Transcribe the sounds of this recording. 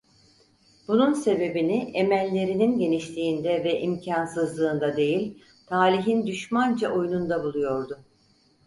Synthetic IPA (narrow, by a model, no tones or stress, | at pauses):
bununse̞be̞biniʔemælʲːe̞ɾininɟe̞niʃlʰʲiːnd̪ɛvɛʔimcʰansɯzlˠɯːnd̪ad̪e̞jilʲ | t̪ʰaːlʲiɦind̪yʃmand͡ʒaʔo̞junund̪abulˠujo̞ɾd̪ʊ